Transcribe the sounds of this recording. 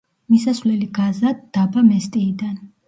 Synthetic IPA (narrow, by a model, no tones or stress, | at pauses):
misasvlɛliɡazad̪d̪abamɛst̪ʼiːd̪an